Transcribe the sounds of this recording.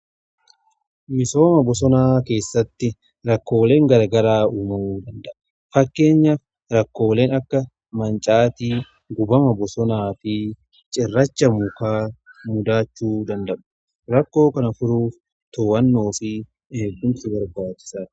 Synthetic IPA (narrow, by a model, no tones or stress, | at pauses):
mɪso̞ːmɐbɔsɔnaːke̞ːsːɐt̪ːɪ | ɾɐkːo̞ːle̞ːŋɡɐɾɐɡɐɾaːuːmɐmuːd̪ɐnd̪ɐʔɐ̥ | fɐkːe̞ːɲːaf | ɾɐkːo̞ːle̞ːnɐkːɐ | mɐnt͡ʃʼaːt̪iː | ɡʊbɐmɐbɔsɔnaːfɪ | t͡ʃʼɪrːɐt͡ʃːɐmʊkaːmʊd̪aːt͡ʃːuːd̪ɐnd̪ɐʔɐ̥ | ɾɐkːo̞ːkɐnɐfʊɾuːf | t̪oːwɐnːo̞ːfɪ | eːɡːʊmtɪbɐɾbaːt͡ʃːɪ̥sḁː